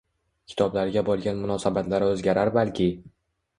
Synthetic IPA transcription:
kʲʰɪ̥t̪ʰɒblaɾɡʲabɒlˠɡʲanmʊnɒsabat̪laɾɪɵzɡʲaɾaɾbalkʲʰɪ

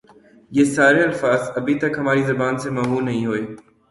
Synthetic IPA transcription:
ieːsaːɾeɐlfaːzɐbʱit̪ɐkɦɐmaːɾizɐbaːnsemɐːɦuːnɐɦĩɦoːeː

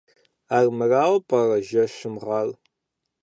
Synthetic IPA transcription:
aːrmɨraːwpʼɐrɐʒɐʃɪmʁɐl

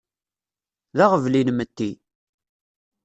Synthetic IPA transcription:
ðaʁəvlinmət̪ːi

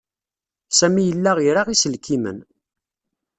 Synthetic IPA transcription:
sæmijəlːæʁiɾaʁisəlkʰimə̰n

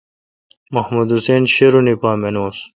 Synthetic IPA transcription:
mɐhmud̪useːnɕeɾunipaːmenoːs

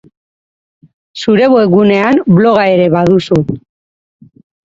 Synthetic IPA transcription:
suɾe̞βoeɣune̞amblo̞ɣ̞ae̞ɾe̞βaðusu

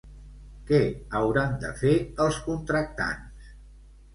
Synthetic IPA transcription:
kɛəwɾand̪ə̰feəlˠskunt̪ɾək̚t̪a̰ns

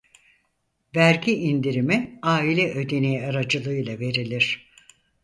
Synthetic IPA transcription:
væɾɟiʔind̪iɾimiaːilʲɛʔø̞d̪e̞nejaɾad͡ʒɯlˠɯjlˠave̞ɾilʲiɾ̥

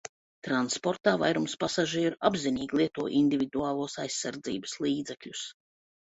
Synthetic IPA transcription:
t̪ɾanspoɾt̪aːvajɾumspasaʒiɛɾabziniːɡlˠiɛt̪uɔʔind̪ʲivʲid̪uaːlˠuɔsajsːaɾd̪zḭːbəslˠiːd̪zɛkʎʲus

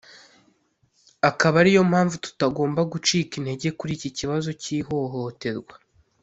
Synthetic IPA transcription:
akaβaɾijo̞m̥haːɱvutu̥taɡo̞ːmbaɡut͡ʃiːkin̥he̞ɟe̞kuɾiːciciβazo̞ciːɦo̞ɦo̞te̞ɾɡwa

